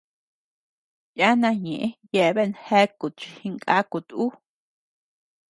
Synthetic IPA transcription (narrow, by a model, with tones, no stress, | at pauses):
ja˦nã˧ɲẽ˨ʔẽ˦je˧˨βe˦˨nhe˦ku˨t͡ʃi˧hi˧ŋkʼa˦ku˨t̪u˦